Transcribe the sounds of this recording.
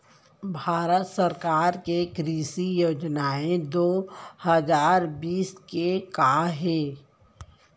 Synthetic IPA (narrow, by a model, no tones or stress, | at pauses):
bʱaːɾət̪səɾkaːɾkekɾiːsijoːd͡ʒnaẽd̪oːhəzaːɾbiːskekaɦeː